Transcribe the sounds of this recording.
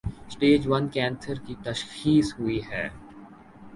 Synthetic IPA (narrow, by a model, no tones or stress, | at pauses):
sʈeːd͡ʒʋɐnkɛ̃ːnsəɾkit̪ɐʃxiːsɦuiɦɛː